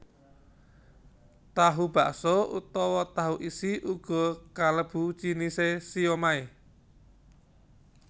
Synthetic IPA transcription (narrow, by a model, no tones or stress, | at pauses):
t̪aɦub̥aʔsɔṵt̪ɔwɔt̪aɦuʔisiʔuɡ̥ɔ̤kaləb̥ut͡ʃinisesiomae